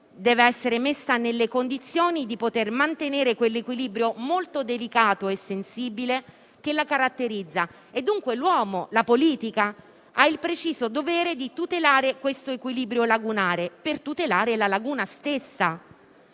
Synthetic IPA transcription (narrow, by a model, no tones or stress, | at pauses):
d̪ɛːveɛsːeɾemesːanelːekond̪it̪sːjoːnid̪ipot̪ermant̪eneːɾekwelːekwiliːbɾjomolt̪od̪elikaːt̪oesːensiːbile | kelːakaɾat̪ːeɾid̪zːa | ed̪ːuŋkwelwɔːmolapoliːt̪ika | ailpɾet͡ʃiːzod̪ovɛːɾed̪it̪ut̪elaːɾekwest̪oekwiliːbɾjolaɡunaːɾepert̪ut̪elaːɾelalaɡuːnast̪esːa